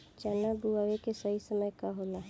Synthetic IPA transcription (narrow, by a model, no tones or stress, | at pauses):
t͡ʃanabuaʋekesəɦisəməjkaɦola